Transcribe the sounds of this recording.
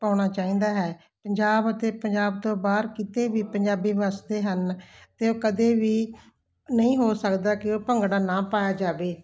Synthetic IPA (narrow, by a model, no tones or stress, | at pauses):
paːɽ̃aːt͡ʃaːĩːnd̪aːɦɛː | pəɲd͡ʒaːbət̪eːpəɲd͡ʒaːb̚t̪õːbaːɾkit̪eːʋiːpəɲd͡ʒaːbiːʋasd̪eːɦənt̪eːoːkəd̪eːʋiː | nəĩːɦoːsəkd̪aːkɪoːpəŋɡɽaːnãːpaːjaːd͡ʒaːʋeː